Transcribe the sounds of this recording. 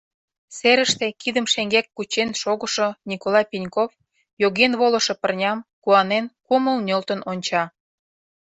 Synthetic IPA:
seɾəʃt̪ekid̪əmʃeŋɡekːut͡ɕenʃoɣə̆ʃonʲikolɑjpʲinʲkof | joɣenβolə̆ʃŏpə̆rnʲɑmkuɑnenkuməlnʲølt̪ə̆nonʲt͡ɕɑ

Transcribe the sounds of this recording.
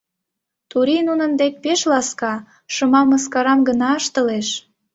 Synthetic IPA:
t̪uɾinunə̆nd̪ek̚peʃlɑskɑ | ʃəmɑməskɑɾɑmɡənɑəʃt̪əleʃ

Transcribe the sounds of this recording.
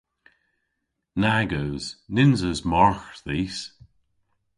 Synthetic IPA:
naɡowz̥nɪnzəzmɔɹxðiːs

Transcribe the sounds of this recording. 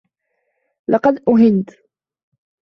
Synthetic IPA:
lɑqɑd̪ʔʊɦɪnt̪

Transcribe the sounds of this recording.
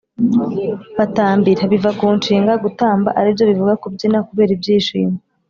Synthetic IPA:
βataːmbiɾaβivakuːnt͡ʃiːŋɡaɡutaːmba̰ʔaɾivjo̞βivuɡakubɟinakuβe̞ːɾibɟiːʃḭːma

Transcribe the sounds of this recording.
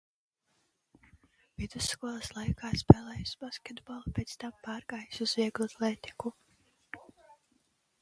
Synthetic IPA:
vid̪usːkuɔlˠɐslˠajkʰaːspɛːlˠɛːjusb̥askʲed̪bɔlˠpʲeːt̪st̪ampɑːɾɡaːjsuzviɛɡlˠat̪lˠeːt̪i̥ku

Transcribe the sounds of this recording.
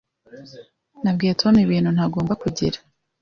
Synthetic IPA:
nab̚ɡiːɾatʰoniβiːn̥hun̥haɡo̞ːmbakuɟiɾa

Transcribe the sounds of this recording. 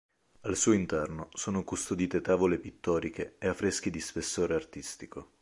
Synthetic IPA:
alsuːoint̪ɛrnosoːnokust̪od̪iːt̪et̪aːvolepit̪ːɔːɾikeeafɾesk̟id̪ispesːoːɾeart̪ist̪iko

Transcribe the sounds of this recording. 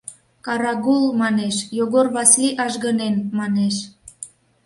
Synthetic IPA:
kɑɾɑɣulmɑneʃjoɣorβɑsliʔɑʒɣənenmɑneʃ

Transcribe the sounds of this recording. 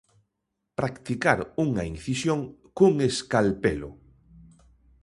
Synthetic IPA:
pɾakt̪ikaɾuŋɐ̰inθisjoŋkuŋeskalpelʊ̰

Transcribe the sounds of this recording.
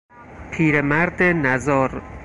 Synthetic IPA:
pʰiːɾemæɾd̪enæzɒːɾ

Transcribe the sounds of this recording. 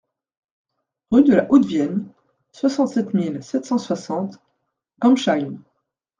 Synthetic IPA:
ʁyd̪əlaʔod̪vjɛn | swasɑ̃t̪sɛt̪milsɛt̪sɑ̃swasɑ̃t̪ | kɑ̃mʃajn

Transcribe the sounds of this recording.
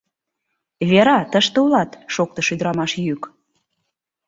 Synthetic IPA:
βeɾɑt̪əʃt̪eulɑt̪ʃok̚t̪ɤʃyd̪əɾɑmɑʃjyk

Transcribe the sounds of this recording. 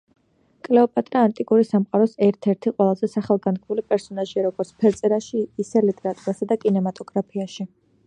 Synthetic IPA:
kʼlɛɔpʼat̪ʼɾaːnt̪ʼikʼuɾisamqʼaɾɔsɛɾt̪ʰɛɾt̪ʰiqʼwɛlˠazɛsaχalˠɡankʰmulipʼɛɾsɔnaʒiaɾɔɡɔɾt̪sʰpʰɛɾt̪sʼɛɾaʃiːsɛlit̪ʼɛɾat̪ʼuɾasad̪akʼinɛmat̪ʼɔɡɾapʰiaʃi

